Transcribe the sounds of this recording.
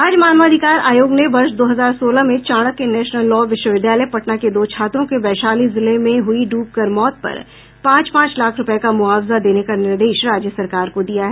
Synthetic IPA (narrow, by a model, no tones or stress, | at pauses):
aːd͡ʒmaːnʋaːd̪ʱɪkaːɾaːjoːɡneʋɐɾʃd̪oːɦɐzaːɾsoːlamẽt͡ʃaːɽ̃əkːenɛːʃnəlːɔːʋɪʃwəʋɪd̪jaːləjpɐʈnaked̪oːt͡ʃʰaːt̪ɾõkebɛːʃaːlizɪlemẽɦʊiɖuːp̚kəɾmɔːt̪̚pɐ̰ɾ | pãːt͡ʃpãːt͡ʃlaːkʰɾʊpəkamʊaːwzad̪eːnekanɪɾd̪eːʃɾaːd͡ʒjəsɐɾkaːɾkod̪ijaɦɛː